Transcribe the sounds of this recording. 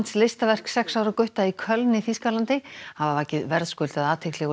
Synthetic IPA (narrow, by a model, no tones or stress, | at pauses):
nslest̪avɛr̥ksɛksaːwɾakʏɥht̪aikʰœlnɪfiskalant̪ɪhavavaːcɪðvɛɾðskʏlt̪aðaːt̪ʰɪjklɛɣ